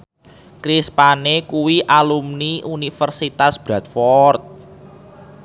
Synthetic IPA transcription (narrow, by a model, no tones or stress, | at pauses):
kɾispanekuwiʔalumniʔunifərsit̪asb̥ɾat̪̚fɔrt̪̚